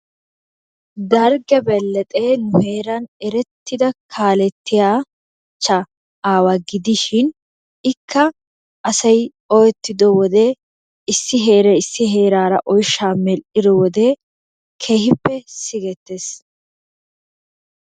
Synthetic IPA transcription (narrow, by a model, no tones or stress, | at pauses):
d̪ɐɾɡɛbɛlːɛt̪ʼeːnʊhe̞ːɾɐnɛɾɛt̪ːɪd̪ɐkʰaːlɛt̪ːɪjaː | t͡ʃːɐ | aːwaɡɪd̪ɪʃɪn | ɪkʰːɐ | ɐsɐj | ɔjɛt̪ːɪd̪ɔwɔd̪eː | ɪsːɪɦe̞ːɾɛɪsːɪɦe̞ːɾaːɾɐʔɔjʃːaːmɛlʔɪd̪ɔwɔd̪eː | kʰe̞ːhɪpːɛsɪɡɛt̪ːeːs